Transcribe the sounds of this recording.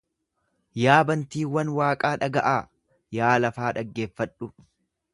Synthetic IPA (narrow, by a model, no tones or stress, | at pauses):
jaːbɐnt̪iːwɐnwaːkʼaːᶑɐɡɐʔaː | jaːlɐfaːᶑɐɡːe̞ːfːɐᶑʊ